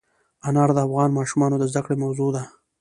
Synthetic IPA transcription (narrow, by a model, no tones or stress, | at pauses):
anɑɾd̪əafɣɑnmɑʃumɑnod̪əzd̪akɽemawzod̪a